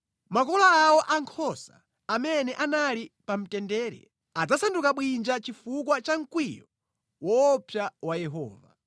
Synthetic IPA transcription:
makɔlaːwɔʔaŋkʰɔsaː | mɛnɛʔanalipam̩tɛndɛːɾɛ̰ | ad͡zasandukaɓwind͡ʒat͡ʃifuk̬wat͡ʃaŋ̩kwijɔ | wɔːpʰjawajɛɦɔ̰ːva̰

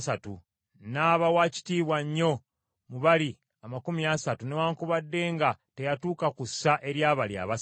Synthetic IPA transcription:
satu | naːβawaːci̥tiːβwaɲːo̞ | muβali | amakumiasatunewaːŋkuβadːe̞ːŋɡate̞jatuːkakusːaʔe̞ɾjaːβalia̰βas

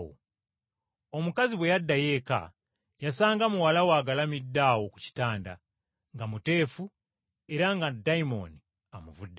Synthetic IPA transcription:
o̰ | o̞mukaziβwe̞jadːaje̞ka̰ | jasaːŋɡamuwalawaːɡalamidːaːwoku̥ci̥taːnda̰ | ŋɡamute̞ːfu | e̞ɾaŋɡadaimo̞̰ni | amuvudːe

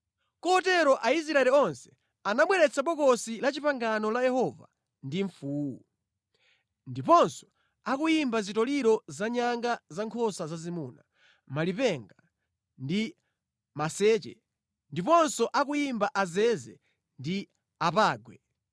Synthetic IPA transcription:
kɔɔtɛɾɔʔais̬ɾaɛlɛɔnsɛ̥ | anaɓwɛɾɛt͡sʰaɓɔkɔsilat͡ʃipaŋɡanɔlajɛhɔva̰ | ndiɱfuːu | ndipɔnsɔ̥ | akujimbazitɔliɾɔzaɲaŋɡazaŋkʰɔsazazimuːna | malipɛŋɡa | ndi | masɛːt͡ʃɛ̰ | ndipɔnsɔʔakujimbaʔazɛzɛ | ndi | apaːɡwɛ

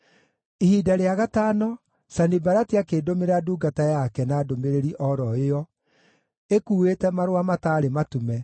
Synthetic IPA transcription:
ihiːdaɾeaɣataːnɔ | sanibaɾatiakeːdomeɾaduːɡatajakɛnaːdomeɾeɾiʔɔɾɔeɔ | ekuːetɛmaɾowamataːɾematumɛ

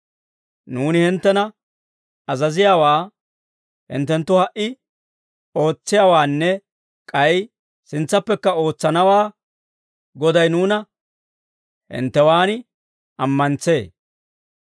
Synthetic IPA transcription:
nuːnɪhɪnt̪ːɛnɐ | ɐzɐzɪjaːwaː | hɪ̰nt̪ɛnt̪ːʊhɐʔɪ | o̞ːt͡sːɪjaːwaːnːɛ | kʼɐj | sɪnt͡sːɐpːɛkːɐo̞ːt͡sːɐnɐwaː | ɡɔd̪ɐjnuːnɐ | hɪ̰nt̪ːɛwaːnɪ | ɐmːɐnt͡se̞ː

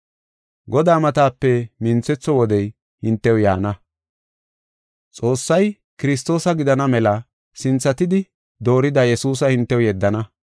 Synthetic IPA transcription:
ɡɔd̪aːmɐt̪aːpːɛmɪnt͡sɛt͡sːɔwɔd̪ɛj | hɪnt̪ːɛwja̰ːnɐ | t͡sʼo̞ːsːɐj | kɪɾɪs̬t̪o̞ːsɐɡɪd̪ɐnɐmɛlɐ | sɪnt͡sːɐt̪ɪd̪ɪ | d̪o̞ːɾɪd̪ɐjɛsuːs̬ɐhɪnt̪ːɛwjɛd̪ːɐnɐ

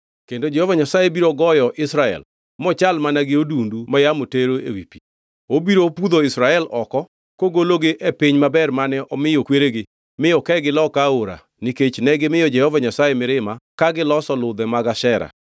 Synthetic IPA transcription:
kendod͡ʒɛhovaɲasajebiɾoɡɔjɔʔɪsɾaɛ̰l | mɔt͡ʃalmanaɡɪodundumajamoteɾoḛwipi | obiɾopud̪oɪsɾaɛlɔkɔ | koɡoloɡɪʔepɪɲmabɛrmanɛʔɔmɪjokweɾeɡɪ | mɪjɔkɛɡɪlɔkaoɾa̰ | niket͡ʃnɛɡɪmɪjɔd͡ʒɛhɔvaɲasajemɪɾɪmakaɡɪlɔsɔlʊd̪ɛmaɡaʃɛɾa̰

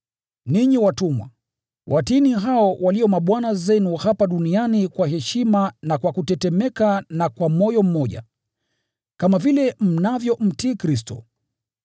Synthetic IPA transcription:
niɲiwatumwa̰ | wʔatiniɦaɔwaliɔmaɓwanazɛnuhapaɗunianikwahɛʃimanakwakutɛtɛmɛkanakwamɔjɔm̩mɔʄa̰ | kamavilɛm̩navjɔm̩tiːkɾis̬tɔ̰

